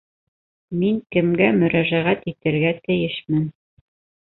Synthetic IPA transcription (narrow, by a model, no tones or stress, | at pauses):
miŋkɘ̆mɡæmɵ̆ɾæʒæʁæt̪it̪ɘ̆ɾɡæt̪ɘ̆jɘʃmɘn